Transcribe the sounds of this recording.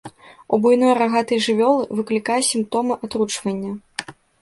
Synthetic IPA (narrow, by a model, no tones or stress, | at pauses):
ubujnɔjraɣat̪ɨjʐɨvʲɔlˠɨvɨklʲikajɛsʲimp̚t̪ɔmɨʔat̪ɾut͡ʂvɐnʲːɐ